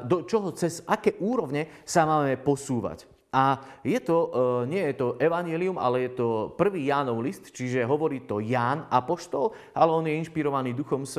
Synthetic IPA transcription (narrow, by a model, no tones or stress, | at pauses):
d̪ɔt͡ʃɔɦɔt͡sɛzʔakɛːʔuːɾɔʋɲɛsamaːmɛpɔsuːʋa̰c | ʔajɛt̪ɔɲɪɛjɛt̪ɔʔɛʋaɲjɛliuma̰lɛjɛt̪ɔpr̩ʋiːjaːnɔʊlist̪t͡ʃiʒɛɦɔʋɔɾiːt̪ɔjaːnapɔʃt̪ɔl | ʔalɛɔnjɛinʃpiɾɔʋaniːd̪uxɔms